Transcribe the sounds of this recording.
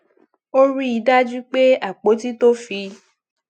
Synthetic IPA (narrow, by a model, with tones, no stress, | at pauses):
o˦ɾi˦i˧da˦d͡ʒu˦k͡pe˦a˦˨k͡po˨˦ti˦to˦fi˧